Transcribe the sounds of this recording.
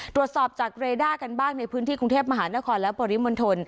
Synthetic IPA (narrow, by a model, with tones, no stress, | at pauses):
t̪ɾu˨˩ət̪̚sɔː˨˩p̚t͡ɕaː˨˩k̚ɾeː˧daː˥˩ka˧nbaː˥˩ŋna˧jpʰɯː˦˥nt̪ʰiː˥˩ku˧ŋt̪ʰeː˥˩p̚ma˧ɦaː˩˦na˦˥kʰɔː˧nlɛ˦˥bɔː˧ɾi˦˥mo˧nt̪ʰo˧n